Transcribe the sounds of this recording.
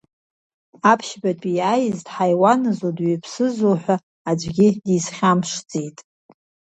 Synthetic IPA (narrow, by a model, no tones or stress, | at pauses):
apʰʃbatʼijajɪztʼħajwanɨzodɥipʰsɨzoħᶣʷa | ad͡ʒʷɡʲɪdisχʲamʂd͡zʼetʼ